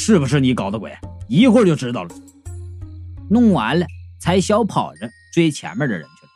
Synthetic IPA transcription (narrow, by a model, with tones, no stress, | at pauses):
ʂɻ̩˥˩bu˩ʂ̬ɻ̩˥˩ni˧˥kɑ˨˩ʊd̪ə˦kwḛ˨˩ɪi˧˥xwə˥˧t͡ɕo˥˩ʊʈ͡ʂɻ̩˥t̪ɑ˥˩ʊlə | nʊ˥˩ŋwa˧˥nlə˧t͡sʰa˧˥ɪɕjɑ˥ʊpʰɑ˨˩ʊʈ͡ʂə˦t͡swe˥˧ɪt͡ɕʰjɛ̰˧˥nmə˥˧˩d̪ə̰˨˩ɻə̰˧˥nt͡ɕʰɛ˥˩